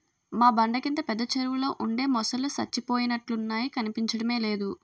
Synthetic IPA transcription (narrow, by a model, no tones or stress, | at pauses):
maːbɐɳɖɐkint̪ɐpɛd̪ːɐt͡ʃɐɾuʋulo̞ːʔuɳɖe̞ːmɔsɐlusɐ̰t͡ʃːipo̞ːjinɐʈlunːaːjikɐnipiɲt͡ʃɐɽɐme̞ːle̞ːd̪u